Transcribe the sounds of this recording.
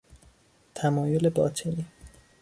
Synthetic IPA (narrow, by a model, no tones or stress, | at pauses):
t̪ʰæmɒːjole̞bɒːt̪ʰeni